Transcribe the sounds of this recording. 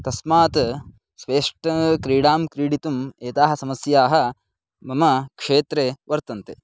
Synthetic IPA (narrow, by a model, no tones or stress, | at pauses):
t̪ɐsmaːt̪ | sʋeːʂʈɐkɾiːɽaːmkɾiːɽit̪umeːt̪aːɦɐsɐmɐsjaːɦɐ̆ | mɐmɐkʂeːt̪ɾeʋɐɾt̪ɐnt̪e